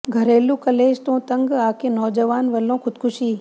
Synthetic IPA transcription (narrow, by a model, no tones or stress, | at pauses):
ɡʱəɾeːlũkəleːd͡ʒt̪õːt̪əŋɡaːkeːnɔːd͡ʒəʋaːnʋəlõkʰʊd̪kʰʊʃiː